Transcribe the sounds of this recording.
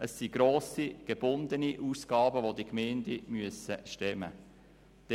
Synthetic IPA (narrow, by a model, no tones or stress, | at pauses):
əsːiɡɾoːsiɡ̥eb̥ʊnd̪əniʔuːsɡ̥ɑːbəʋodikmeːndimyəsəʃtɛmə | d̥ɛ